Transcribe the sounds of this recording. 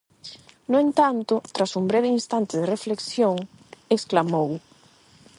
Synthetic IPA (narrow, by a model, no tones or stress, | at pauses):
noent̪ant̪ʊt̪ɾasumbɾeβeinst̪ant̪ɪðɪrefleksjoŋ | eksklamow